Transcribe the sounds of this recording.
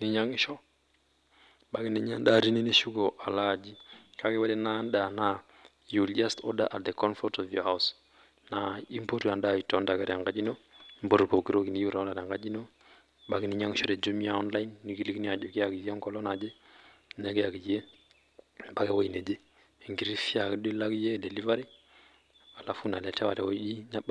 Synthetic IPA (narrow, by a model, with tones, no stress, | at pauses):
nɪ˦ɲa˦ŋɪ˦ʃɔ˦ | ba˦kɪ˦ne˦ɲa˦nda˨ɾi˦ne˦ne˦ʃu˦ɡo˨ʔa˨la˦˨d͡ʒi˦ka˦kɛ˦wɛ˦dɛ˦na˦nda˨na˨ | ju˨ld͡ʒa˦stɔ̰˦da˦ʔat̚de˨kɔ˦nfɔtɔ˨vjɔ˨ha˦ʊs | na˨i˦mpo˦ɾi˨a˨nda˦i˨tɔ˦nda˨ka˦ɾja˨ŋɡa˦d͡ʒi˦no˦mbo˨ɾbo˨kiɾo˦ki˨ni˨ju˦ɾa˨ɔ˦nda˨ɾa˨ŋɡa˦d͡ʒi˦no˦ | ba˦ɡi˦ni˦ɲa˦ŋʃɔ˦ɾɛ˨d͡ʒo˦mi˦a˨ɔ˦nla˦jnːi˨ɡi˦li˦kni˦a˨d͡ʒo˨ki˦a˨ki˨ja˦ŋkɔ˦lɔ˦na˨d͡ʒe˦ | nɛ˦ɡe˦a˨ɡi˨je˦ | ba˦ɡe˦˨wo˦i˨ne˨d͡ʒe˦˨ | ŋɡi˨ɾi˦fi˦a˨kdi˦la˦kje˦de˨li˦va˦ɾi˦ | wa˨la˦fu˦na˨lɛ˨tɛ˦wa˨ɾɛ˨wo˦ɗi˦na˦ɓ